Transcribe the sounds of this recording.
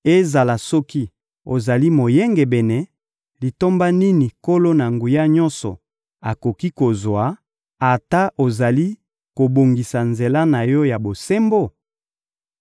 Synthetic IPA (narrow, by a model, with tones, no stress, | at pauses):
e˦za˨la˨sɔ˦ki˦ | o˨za˨li˦mo˨je˦ŋɡe˨bɛ˨nɛ˨ | li˨to˦mba˦ni˦ni˨ko˦lo˦na˨ŋɡu˨ja˦ɲɔ˦nsɔ̰˨ | a˨ko˨ki˦ko˨zwa˨˦ | a˨ta˦ʔo˨za˨li˦ | ko˨bo˨ŋɡi˨sa˨nze˨la˦na˨jɔ˦ja˨bo˨se˦mbo˦˨